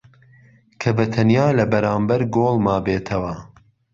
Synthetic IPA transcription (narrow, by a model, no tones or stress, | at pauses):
kʰɐbɐt̪ʰɐnjaːlɐbɐɾaːmbɐɾɡoːlˠmaːbeːt̪ʰɐwɐ